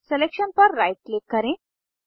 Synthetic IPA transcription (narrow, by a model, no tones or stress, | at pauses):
selekɕənpəɾːajʈ̚lekkːəɾẽ